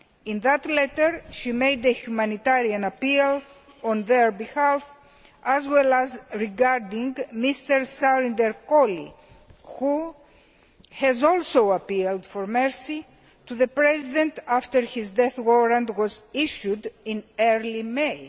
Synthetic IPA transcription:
ĩnðat̪lɛtəɹʃimejd̪ehjumãnit̪aɾiɐ̃nɐpil | õnðəɹbihaf | ɐzwɛlɐzɹiɡaɹdĩŋɡmist̪əɹsaɾĩndeɾkolḭ | hu | hɛzolsowɐpild̥foɾmɛɹsi | t̪uðəpɹɛzid̪ẽnt̪aft̪əɹhizd̪ɛθwoɾɐ̃ndwɔziʃudĩnɛɹlimej

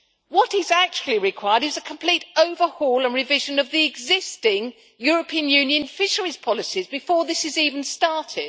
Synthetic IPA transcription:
wʌtɪzæk̚t͡ʃul̩ˠiɹɪkʰw̥aɪəɾɨzəkʰə̃m̩pʰl̥iˑtəʊvə˞hɔːlˠə̃nɹɪvɪʒə̃nʌvðiɪɡzɪstɪ̃ŋ | jɔɹəpʰĩə̃njʉ̃njɨ̃nfɪʃə˞iz̥pʰɒlˠɪsizbɪfɔːðɪsɨziːvə̃n̩stɑɹtʰɪd̥

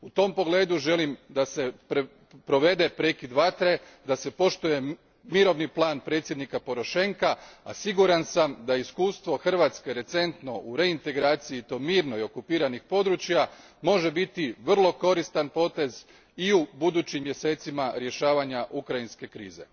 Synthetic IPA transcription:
ut̪o̞ːmpo̞ɡle̞ːd̪uʒe̞limd̪ase̞ | pɾo̞ʋe̞d̪e̞pɾe̞kid̪ʋat̪ɾed̪ase̞po̞ʃt̪uje̞ | miɾo̞ʋniplˠaːnpɾet̪sjed̪nikapo̞ɾo̞ʃe̞ŋkaasiɡuɾansamd̪aiskuːst̪ʋo̞xr̩ʋaːt̪ske̞ɾe̞t̪se̞nt̪no̞ʔuɾe̞int̪e̞ɡɾaːt̪sijit̪o̞miːɾno̞jo̞kupiːɾanixpo̞d̪ɾut͡ɕja | mo̞ʒe̞bit̪iʋr̩lˠo̞ko̞ɾist̪anpo̞t̪e̞z | iubud̪uːt͡ɕimːje̞se̞ːt̪simaɾje̞ʃaːʋaɲaʔukɾajinske̞kɾḭːze̞̰

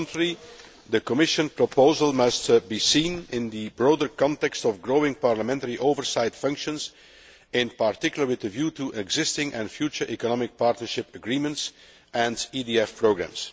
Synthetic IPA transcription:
ntəɹi | d̪əkɔmɪʃə̃npɹɔpoʊzəlˠmʌstbisĩːnɪ̃nd̪əbɹoʊdəɹkɑ̃ntɛkstɔvɡɹoʊɪ̃ŋpɑɹləmɛ̃ntəɹiʔoʊvəɹsaɪtfʌ̃ŋkʃə̃ns | ɪ̃npaɹtɪkjlˠəɹwɪðəvjuːtuʔɛɡzɪstɪ̃ŋʔɛ̰̃nfjut͡ʃəɹʔikɔnɑmɪk̚pɑɹtnəɹʃɪpəɡɹĩmə̃nts | ʔɛ̃ndidiɛfpɹoʊɡɹæ̰̃ms

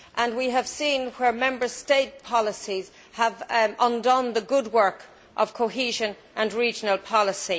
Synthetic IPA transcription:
ʔə̃nwiəv̥sĩnwə˞mɛ̃mbə˞steɪt̚pʰɑləsiz̥ | əvə̃ndɔ̃nðəɡʊd̚wɜ˞k | ʔʌv̥kʰoʊɦiːʒə̃n | ʔə̃nɹiːd͡ʒənəlˠpʰɑləsi

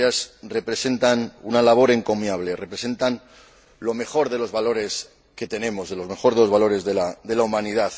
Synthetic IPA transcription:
asrepɾe̞se̞nt̪anunalaβ̞o̞ɾe̞ŋko̞mjaβ̞le̞re̞pɾe̞se̞nt̪an | lo̞me̞xo̞ɾðe̞lo̞zβalo̞ɾe̞s | ke̞t̪e̞nẽ̞mo̞zðe̞lo̞zme̞xo̞ɾðe̞lo̞zβalo̞ɾe̞zðelaðe̞laumãniðaθ

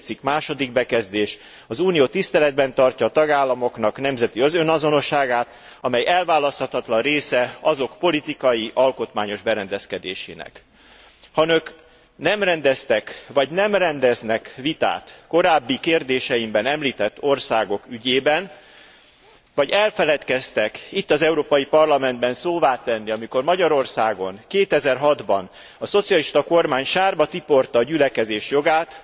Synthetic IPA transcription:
t̪sikmaːʃo̞d̪iɡ̚bɛkɛzd̪eːʃ | ɒzuːnijoːt̪ist̪ɛlɛd̪̚bɛnt̪ɒrcɒːt̪ɒɡaːlːɒmo̞kn̪ɒknɛmzɛt̪iøzønɒzo̞no̞ʃaːɡaːt̪ | ɒmɛjɛlvaːlɒst̪hɒt̪ɒt̪lɒnreːsɛɒzo̞kpo̞lit̪ikɒjiʔɒlko̞t̪maːɲo̞ʒbɛɾɛnd̪ɛskɛd̪eːʃḛːnɛ̰k | hɒnøk | nɛmrɛnd̪ɛst̪ɛkvɒɟnɛmrɛnd̪ɛznɛkʋit̪a̰ːt̪ko̞ɾaːbːikeːrd̪eːʃɛjimbɛnɛmliːt̪ɛt̪ːo̞rsaːɡo̞kyɟeːbɛn | vɒɟɛlfɛlɛt̪kɛst̪ɛkit̪ːɒzɛuɾoːpɒjipɒrlɒmɛnd̪bɛnsoːvaːt̪ɛnːiɒmiko̞rmɒɟɒɾo̞rsaːɡo̞ŋkeːt̪ɛzɛrɦɒd̪bɒn | ɒso̞t̪sijɒliʃt̪ɒko̞rmaːɲʃaːrbɒt̪ipo̞rt̪ɒːɟylɛkɛzeːʃjo̞ɡaːt̪

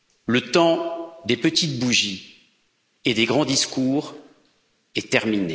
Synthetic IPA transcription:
lət̪ɑ̃d̪epət̪it̪̚buʒi | ed̪eɡʁɑ̃d̪iskuːʁ | ɛt̪ɛʁmine

